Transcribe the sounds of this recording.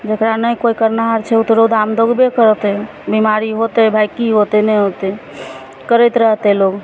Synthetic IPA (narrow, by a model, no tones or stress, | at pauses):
d͡ʒekɾanəjkoikəɾnaɦaɾt͡ʃʰɛut̪ɾod̪amd̪oɡbekəɾt̪ɛ | bimaɾiɦot̪ɛbʱajkiɦot̪ɛnɛɦot̪ɛ | kəɾəjt̪ɾəɦt̪ɛloɡ